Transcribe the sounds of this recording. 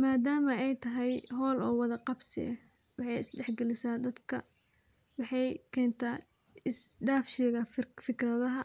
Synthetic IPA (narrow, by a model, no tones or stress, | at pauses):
maːd̪aːmɐɛjt̪ʰɐɦɛjɦɔːlɔːwɑðɐqɑbsɪ̰ɐ | wɑħɑjɪsɖɛħɡɛlɪsaːd̪ɐd̪kʰɐ̰ | wɑħɑjkʰɛːnt̪ʰaː | ɪsɖaːfʃɛɣɐfɪkrɐðɐɦɐ